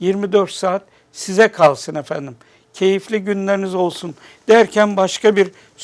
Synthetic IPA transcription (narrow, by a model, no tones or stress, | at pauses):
jiɾmid̪øɾt̪saːt̪̚ | sizɛkʰalˠsɯnefænd̪im | cʰe̞jiflʲiɟynlʲeɾinizo̞lˠsun | d̪̥æɾcʰænbaʃkabiɾ